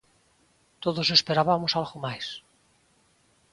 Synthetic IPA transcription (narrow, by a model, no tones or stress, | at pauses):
t̪oðosespeɾaβamosalɣomajs